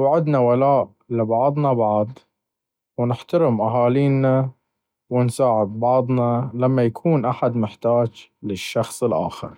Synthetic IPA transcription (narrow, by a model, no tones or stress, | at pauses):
wʕɪd̪nawalaːʔ | lɪbɑʕɑðˤnɑbɑʕd̪ˤ | wnɪħt̪aɾɪmʔaɦaːliːna | wɪnsaːʕɪd̪̚bɑʕðˤnɑlamːajakʰuːnʔaħad̪mɪħt̪aːd͡ʒlɪʃːɑxsˤɪlʔa̰ːxɪ̰ɾ